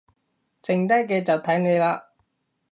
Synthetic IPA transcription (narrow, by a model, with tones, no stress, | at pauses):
t͡sɪ˨˩ŋt̪̬ɐ˥jkɛː˧t͡sɐ˨wt̪ʰɐ˨˥jne˨˧jlaː˧